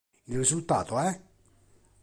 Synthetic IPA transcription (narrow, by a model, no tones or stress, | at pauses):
ilrisult̪aːt̪oɛ